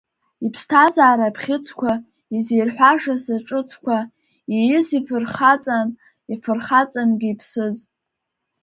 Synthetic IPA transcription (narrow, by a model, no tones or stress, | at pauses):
ipʰstʰazaːɾapʰχʲɪt͡sʰkʷʰa | izijrħʷaʐasaʈ͡ʂʼɨt͡sʰkʷʰa | ijɪzifɨrχat͡sʼan | ifɨrχat͡sʼanɡʲɪipʰsɨz